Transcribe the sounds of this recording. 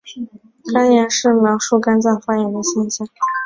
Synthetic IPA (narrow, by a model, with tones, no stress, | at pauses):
kʰa˥nja˧˥nʂɻ̩˥˩mjɑ˧˥ʊʂu˥˩ka˥nt͡sɑ˥˩ŋfa˥jɛ˧˥nd̪ə˧ɕjɛ˥˧nɕjɑ˥˩ŋ